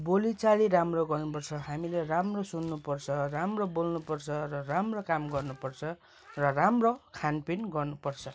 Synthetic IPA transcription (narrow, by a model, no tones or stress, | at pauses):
bolit͡saliɾamroɡʌrnupʌrt͡sʰʌɦamileramrosunːupʌrt͡sʰʌramrobolnupʌrt͡sʰʌrʌramrokamɡʌrnupʌrt͡sʰʌ | rʌramrokʰanpinɡʌrnupʌrt͡sʰʌ